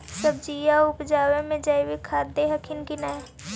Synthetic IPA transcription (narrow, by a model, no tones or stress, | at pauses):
səb̚d͡ʒijaʊpd͡ʒaːwemẽd͡ʒəɪwikʰaːd̪eɦəkʰɪnkina